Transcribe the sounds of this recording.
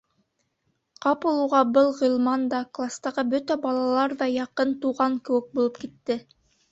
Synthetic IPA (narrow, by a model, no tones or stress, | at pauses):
qɑpulˠuʁɑbɤlˠʁɤ̆lˠmɑnd̪ɑklˠast̪ɑʁɤbɵt̪æbɑlˠɑlˠɑɾðɑjɑqɤnt̪uʁɑŋkɘ̆wɘk̚bulˠɤpkit̪ːɘ